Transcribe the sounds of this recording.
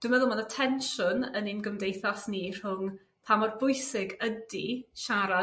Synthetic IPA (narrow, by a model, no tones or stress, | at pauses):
d̥ʊmɛðʊmanatʰɛnʃʊnəninɡəmdejθasnir̥ʊŋ | pʰamɔrbʊɨsɪɡədiʃaɾa